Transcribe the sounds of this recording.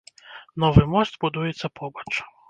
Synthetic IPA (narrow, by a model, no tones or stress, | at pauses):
nɔʋɪmɔst̪bʊd̪ujet͡sʲːɐpʰɔbɔt͡ʃ